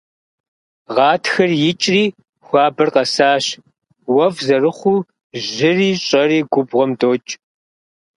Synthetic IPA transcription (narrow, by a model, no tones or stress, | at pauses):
ʁɑːtxɐrjɪt͡ʃʼriː | xʷɑːbɨrqɐsaːɕ | wɐvzɐrɨχʷuː | ʑʒɪriːɕʼɐriːɡʷʊbʁʷɔmdoːt͡ʃʼ